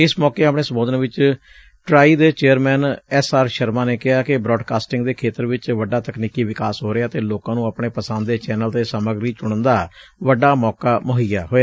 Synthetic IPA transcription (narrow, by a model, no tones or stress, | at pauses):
ɪsmɔːkeːapɳeːsəmboːd̪ənːʋɪt͡ʃ | ʈɾaːiːd̪eːt͡ʃeːəɾmɛːnɛsaːɾʃəɾmãːneːkɪɦaːkɪbɾɔːɖkaːsʈɪ̃ŋɡd̪eːkʰeːt̪əɾʋɪt͡ʃʋəɖaːt̪əkniːkiːʋɪkaːsɦoːɾeaːt̪eːloːkãːnũːəpɳeːpəsə̃nd̪d̪eːt͡ʃɛːnəlt̪eːsəməɡɾiːt͡ʃʊɽ̃ənd̪aːʋəɖaːmɔːkaːməɦɪjaːɦoːjaː